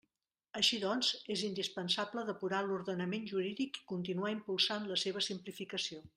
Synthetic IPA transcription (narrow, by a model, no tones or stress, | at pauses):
əʃiðɔnzezind̪ispənsabləðəpuɾaluɾðənəmenʲʒuɾiðiki̥kunt̪inuaimpulˠsanləseβ̞əsimplifikəsio